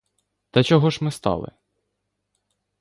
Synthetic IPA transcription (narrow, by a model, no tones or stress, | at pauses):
t̪ɐt͡ʃɔɦɔʒmɪst̪ɑ̰lˠɪ̰